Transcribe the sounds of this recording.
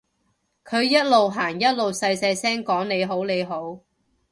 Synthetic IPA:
kʰɵ˨˧ɥjɐ˥t̚lo˨wɦaː˨˩ŋjɐ˥t̚lo˨wsɐ˧jsɐ˧jsɛː˥ŋkɔː˨˥ŋne˨˧jɦo˨˥wne˨˧jɦo˨˥w

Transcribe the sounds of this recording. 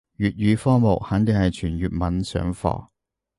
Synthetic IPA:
jyː˨t̚ɥyː˨˧fɔː˥mo˨k̚haː˨˥nt̪e˨˩ŋhɐ˨jt͡ʃʰyː˨˩njyː˨t̚mɐ˨˥nsœ̰ː˨˥ŋfɔ̰ː˧˥

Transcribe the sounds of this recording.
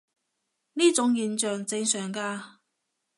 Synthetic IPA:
niː˥t͡sʊ˨˥ŋjiː˨nt͡ʃœː˨ŋt͡sɪ˧ŋsœː˨˩ŋkaː˧

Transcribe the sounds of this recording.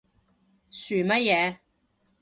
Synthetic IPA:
syː˨˩mɐ˥t̚jɛː˨˧

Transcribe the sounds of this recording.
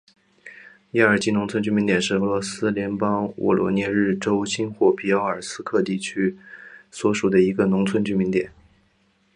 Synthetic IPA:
ja˥˩ə˞˨˩t͡ɕi˥˩nʊ˧˥ŋt͡sʰə˥nt͡ɕy˥˩mi˧˥nt̪jɛ˨˩nʂɻ̩˥˩ɤ˧˥lwɔ˧˥sɹ̩˥ljɛ˧˥npɑ˥ŋwʔɔ̰˨˩lwɔ̰˧˥njɛ˥˧ɻɻ̩˥˩ʈ͡ʂo˥ʊɕʰi˥nxwɔ˥˩pʰi˧˥ɑ˥ʊə˞˨˩sɹ̩˥kʰɤ˥˧t̪i˥˩t͡ɕʰy˥swɔ˧˥ʂu˨˩d̪ə˦i˧˥ɡə˧nʊ˧˥ŋt͡sʰwə˥nt͡ɕy˥˩mi˧˥nt̪jɛ˨˩˦n

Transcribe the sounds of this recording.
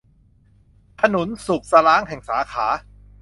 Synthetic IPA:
pʰa˧nu˨˩˦nsu˨˩k̚sa˧ɾaː˦˥ŋɦɛ˨˩ŋsaː˩˦kʰaː˩˦˥

